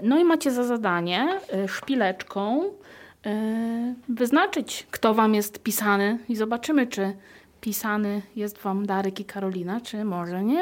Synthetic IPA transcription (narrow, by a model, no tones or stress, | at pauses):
nɔimat͡ɕɛzazad̪aɲɛʂpʲilɛt͡ʂkʰɔ̃w̃ | vɘznat͡ʂɘt͡ɕkt̪ɔvamjɛst̪pʲisanɘizɔbat͡ʂɘmɘt͡ʂɘ | pʲisanɘjɛst̪vamd̪aɾɛkikʰaɾɔlʲinat͡ʂɘmɔʐɛɲɛ